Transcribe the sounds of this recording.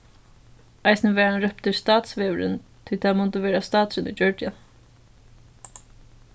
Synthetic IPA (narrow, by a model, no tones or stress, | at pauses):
ajsnəʋɛːɾanɾœp̚t̪ɪst̪ɑːt̪sʋeːʋəɾɪ̰nt̪ʰɪlt̪ʰamɔnt̪əʋeːɾast̪ɑːt̪sɪnid͡ʒœɹt̪ja̰n